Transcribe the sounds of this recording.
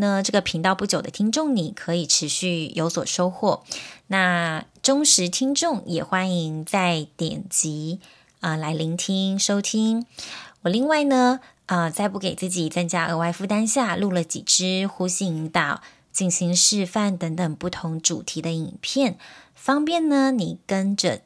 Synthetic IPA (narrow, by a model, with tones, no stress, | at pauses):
nə˧ʈ͡ʂɤ˥˩ɡə˩pʰi˧˥ŋt̪ɑ˥˧ʊpu˥˩t͡ɕjo˨˩ʊd̪ə̰˦t̪ʰi˥ŋʈ͡ʂʊ˥˩ŋni˨˩kʰɤ˧˥i˨˩ʈ͡ʂʰɻ̩˧˥ɕy˥˩jo˧˥ʊswɔ̰˨˩ʂo˥ʊxwɔ˥˩na˥˩ | ʈ͡ʂʊ˥ŋʂɻ̩˧˥t̪ʰi˥ŋʈ͡ʂʊ˥˩ŋjɛ˨˩xwa˦˥ni˧˥ŋt͡sa˥˩ɪt̪jɛ̰˨˩nt͡ɕi˧˥ | ə˧la˧˥ɪli˧˥ŋt̪ʰi˥ŋʂo˥ʊt̪ʰi˥ŋwɔ˨˩li˥˧ŋwa˥˩ɪnə˩ | ə˧t͡sa˥˧ɪpu˥˩ke˨˩t͡sɹ̩˥˩t͡ɕi˨˩t͡sə˥ŋt͡ɕja˥ʔə˧˥wa˥˧ɪfu˥˩t̪a˥nɕja˥˧lu˥˩lə˨˩t͡ɕḭ˨˩ʈ͡ʂɻ̩˥xu˧˥ɕi˧˩i˧˥ŋt̪ɑ˨˩ʊ | t͡ɕi˥˩ŋɕi˧˥ŋʂɻ̩˥˧fa˥˩nt̪ə˧˥ŋt̪ə˨˩ŋpu˥˩t̪ʰʊ˧˥ŋʈ͡ʂṵ˨˩t̪ʰi˧˥d̪ə˧i˨˩npʰjɛ˥˩n | fɑ˥ŋpjɛ˥˩nnə˩ni˨˩kə˥nʈ͡ʂə̰˧